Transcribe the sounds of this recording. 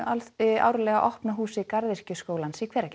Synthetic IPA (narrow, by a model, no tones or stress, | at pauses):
alɪa̰wɾʏlɛːɣaʔɔhpnaɦuːsɪkaɾðɪr̥cʏskoːwlansikʰvɛːɾacɛ